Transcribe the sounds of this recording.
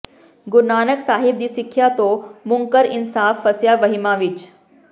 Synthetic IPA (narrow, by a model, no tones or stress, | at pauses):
ɡʊnaːnəksaːɦib̚d̪iːsikʰjat̪omʊŋkəɾɪnsaːfːəsjaʋɐɦimaʋit͡ʃ